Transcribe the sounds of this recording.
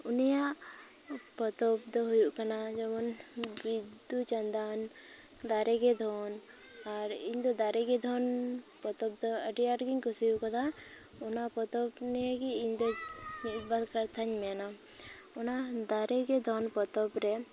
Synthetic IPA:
unijaʔ | pɔt̪ɔp̚d̪ɔɦujuʔkanad͡ʒɔmɔnbid̪ut͡ʃand̪an | d̪aɾɛɡɛd̪ʱɔn | aɾiɲd̪ɔd̪aɾɛɡɛd̪ʱɔnpɔt̪ɔb̚d̪ɔəʈiaʈɡiɲkusijuʔkad̪a | ɔnapɔt̪ɔpnɛakiiɲd̪ɔibad̪kaɾt̪ʰaɲmɛna | ɔnad̪aɾɛɡɛd̪ʱɔnpɔt̪ɔpɾɛ

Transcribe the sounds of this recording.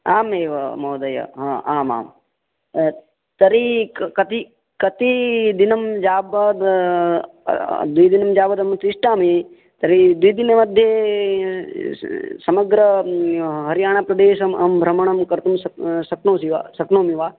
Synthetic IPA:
aːmeːʋɐmɐːd̪ɐjɐ̰ɦãːaːma̰ːm | t̪ɐɾikɐt̪i | kɐt̪id̪inɐmd͡ʒaːbɐd̪ | d̪ujd̪inɐmd͡ʒaːbɐd̪ɐmt̪iʂʈaːmi | t̪ɐɾid̪ujd̪inemɐd̪ʱje | sɐmɐɡɾɐ | ɦɐɾijaːɳ̃apɾɐd̪eːʃɐmɐmbʱɾɐmɐɳɐmkɐɾt̪umsɐsɐknoːsiʋa̰sɐknoːmiʋaː

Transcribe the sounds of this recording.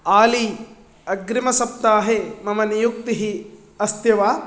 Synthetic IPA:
aːli | ɐɡɾimɐsɐp̚t̪aːɦemɐmɐnijuk̚t̪iɦi | ɐst̪jɐʋaː

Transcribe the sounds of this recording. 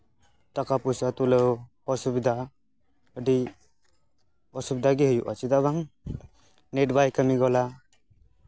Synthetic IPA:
t̪akapusat̪ule | ɔsubid̪ʱa | əɖi | ɔsubid̪ʱaɡiɦujuʔa̰t͡ʃid̪aβaŋ | neʈbajkəmiɡɔla

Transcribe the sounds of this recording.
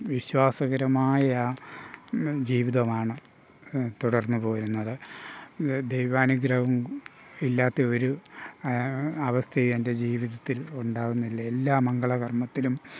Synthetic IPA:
ʋiɕwaːsɐɣɐɾɐmaːjɐa | d͡ʑiːʋiðɐmaːɳɨ | t̪uɽɐrnːupo̞ːɾunːɐðɨ | d̪ejʋaːnɐɡɾɐʋum | ilːaːt̪ːɐo̞ɾu | ɐʋɐst̪ʰɐjende̞d͡ʑiːʋiðɐt̪ːiluɳɖaːɣunːilːɐelːaːmɐŋɡɐɭɐɣɐrmɐt̪ːilum

